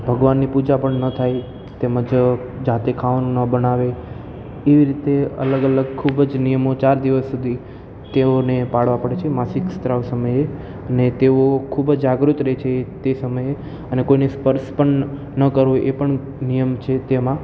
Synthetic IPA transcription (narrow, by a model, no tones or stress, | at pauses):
bʱəɡʋanːipud͡ʒapəɳnət̪ʰaj | t̪eməd͡ʒ | d͡ʒat̪ekʰaʋnũnəbənaʋe | eʋiɾit̪eə̰ləɡələɡkʰubd͡ʒnijəmot͡ʃaɾd̪iʋəsːud̪ʱi | t̪eonepaɽ̤ʋapəɽet͡ʃʰemasikst̪ɾəʋsəməje | ənet̪eokʰubd͡ʒd͡ʒaɡɾut̪ɾet͡ʃʰet̪esəməje | ənekoinespəɾspəɳ | nəkəɾʋoʔepəɳ | nijəmt͡ʃʰet̪emã